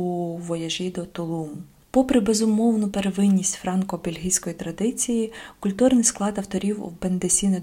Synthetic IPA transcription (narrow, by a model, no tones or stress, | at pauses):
uʋɔjɐʒʲid̪ɔt̪ɔlˠumʊ | pɔpɾɪbezʊmɔwnʊpeɾeʋɪnʲːisʲtʲfɾɑnkɔbelʲɦijsʲkɔjit̪ɾɐd̪ɪt͡sʲijikʊlʲt̪urnɪjsklˠɑd̪ɐwt̪ɔɾʲiwwbend̪esʲinɛ